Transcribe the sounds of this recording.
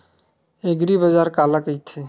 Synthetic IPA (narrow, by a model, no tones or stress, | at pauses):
eɡɾibəd͡ʒaːɾkaːlakəit̪ʰe